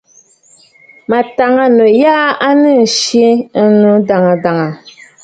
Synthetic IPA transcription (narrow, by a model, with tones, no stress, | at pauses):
ma˨ta˨ŋa˦no˨jaː˦a˦nɨ˦˨ʃi˦nu˦da˨ŋa˨da˨ŋa˨